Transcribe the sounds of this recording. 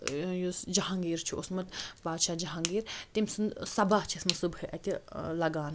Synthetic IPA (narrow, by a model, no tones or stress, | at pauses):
jusd͡ʒɐɦãŋɡiːɾt͡ʃʰiʔosmɐt̪baːd̪ʃaːd͡ʒɐɦaŋɡiːɾt̪imsɨnsɐbaht͡ʃʰismɐsubhɨʔɐt̪ʲilɐɡaːn